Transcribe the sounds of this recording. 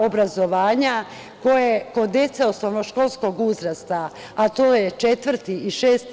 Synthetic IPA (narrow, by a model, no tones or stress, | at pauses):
obɾazo̞ʋaːɲa | ko̞jeko̞d̪je̞t̪seosnoʋnoʃko̞lˠsko̞ɡuzɾast̪a | at̪oːjet͡ʃe̞t̪ʋr̩t̪iiʃeːst̪